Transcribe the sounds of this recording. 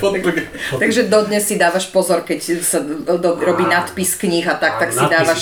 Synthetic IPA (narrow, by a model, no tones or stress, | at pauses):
t̪aɡʒɛd̪ɔd̪ɲɛsːid̪aːʋaʃpɔzɔɾkɛcsad̪ɔɾɔbiːnat̪piskɲiɣat̪ak̚t̪aksid̪aːʋaʃ